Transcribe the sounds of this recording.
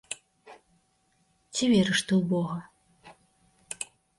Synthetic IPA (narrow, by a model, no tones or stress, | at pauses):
t͡sʲivʲɛɾɨʂt̪ɨwbɔɣɐ